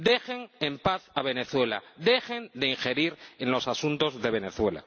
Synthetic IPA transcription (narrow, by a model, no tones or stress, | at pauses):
d̪e̞xeŋempaθaβ̞e̞ne̞θwe̞la̰ðe̞xend̪eiŋxe̞ɾiɾenlo̞sasunt̪o̞zðe̞βe̞ne̞θwe̞la̰